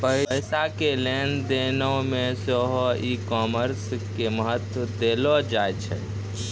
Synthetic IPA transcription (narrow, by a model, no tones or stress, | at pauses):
pəɦɪsakelend̪enəmesəɦɔikɔməɾskeməɦət̪wəd̪elɔd͡ʒajt͡ʃʰɛ̰